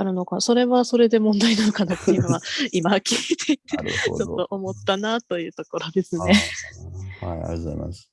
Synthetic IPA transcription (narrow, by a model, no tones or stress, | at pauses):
aɾɯ̟no̞kaso̞ɾe̞βaso̞ɾe̞d̪e̞mõ̞nd̪ainanokanat̪ːejɯ̟noβaimakʲʰiet̪et̪ːeooʔomo̞t̪ːanat̪o̞jɯ̟ːt̪o̞ko̞ɾo̞d̪e̞sɨne̞ | ha̰ja̰za̰ima̰s